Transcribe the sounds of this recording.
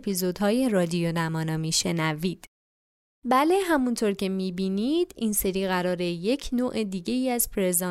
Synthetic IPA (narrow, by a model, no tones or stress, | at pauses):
pʰizo̞d̪hɒːje̞rɒːd̪ijonæmɒːnɒːmiːʃe̞næviːd̪̥ | bæle̞ɦæmunt̪ʰoɾcʰe̞miːbiːnid̪̥iːnse̞ɾiːɣæɾɒːɾe̞je̞cʰnoːʔed̪iːɟe̞iːæzpʰɾezɒ